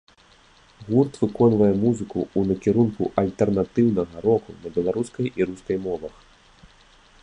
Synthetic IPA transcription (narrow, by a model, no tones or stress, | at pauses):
ɣurt̪vɨkɔnvɐjɛmuzɨkṵːnɐkʲiɾunkuʔɐlʲt̪ɛrnat̪ɨwnɐɣɐɾɔkunɐbʲɛlˠaɾuskɐjʔiɾuskɐjmɔvɐx